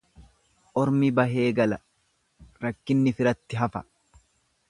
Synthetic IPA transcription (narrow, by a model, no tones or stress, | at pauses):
ʔɔɾmibɐɦe̞ːɡɐlɐ | ɾɐkːɪnːɪfɪɾɐt̪ːɪɦɐfɐ̥